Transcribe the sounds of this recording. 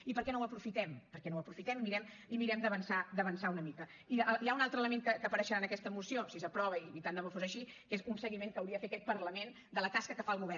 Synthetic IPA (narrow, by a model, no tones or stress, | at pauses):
ipəɾkɛnowəpɾufit̪ɛmpəɾkɛnowəpɾufit̪ɛmimiɾɛm | imiɾɛmd̪əβənsad̪əβənsaunəmikə | iəjaunalˠt̪ɾəlˠəmeŋkəkəpəɾəʃəɾaənəkɛst̪əmusiosisəpɾɔβəiβit̪and̪əmofozəʃikezunsəɣimeŋkəːwɾiəðəfet̪ːəkɛt̪̚pəɾləmen | d̪ələt̪askəkəfaəlˠɣuβɛr